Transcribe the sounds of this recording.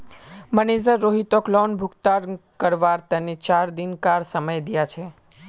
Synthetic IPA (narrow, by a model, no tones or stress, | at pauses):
mənezəɾːoɦit̪oklɔnbʱukt̪aɾkəɾʋaɾt̪ənet͡ʃaɾd̪inkaɾsəməjd̪ijat͡ʃʰe